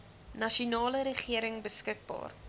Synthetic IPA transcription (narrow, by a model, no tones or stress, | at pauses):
nɐʃunɑːləɾəχiəɾəŋbəskək̚bɑ̰ːr